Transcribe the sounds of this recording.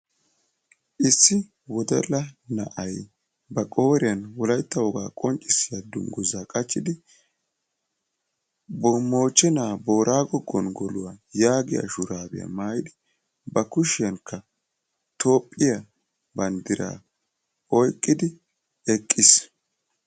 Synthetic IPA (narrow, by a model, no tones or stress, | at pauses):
ʔɪsːɪ | wɔd̪ɛ̰lɐnɐ̰ʔɐj | bɐkʼo̞ːɾɪjɐnwɔlɐjt̪ːɐwɔɡa̰ːkʼɔnt͡ʃʼːɪsɪjad̪ʊmɡʊzaːkʼɐt͡ʃːɪd̪ɪ | bɔmo̞ːt͡ʃʼːɛnaːbo̞ːɾʔaːɡɔɡːɔnɡɔlʊwajaːɡɪjɐ̰ʃʊɾaːbɪ̰jɐ̰maːjɪd̪ɪ | bɐkʊʃɪjɐŋkʰːɐ | t̪ʰo̞ːpʼːɪjɐ | bɐnd̪ɪɾa̰ː | ɔjkʼːɪd̪ɪ | ɛkʼːɪs